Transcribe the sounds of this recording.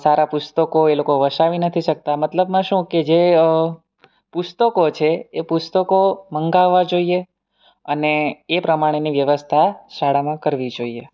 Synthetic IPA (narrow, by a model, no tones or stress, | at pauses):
saɾapʊst̪əkoelokoʋəʃaʋinət̪ʰiʃək̚t̪amət̪ləbmãʃũked͡ʒe | pust̪əkot͡ʃʰeːpʊst̪əkoməŋɡaʋːad͡ʒoie | əneːpɾəmaɽ̃eniʋjəʋəst̪ʰaʃaɽamãkəɾʋid͡ʒoie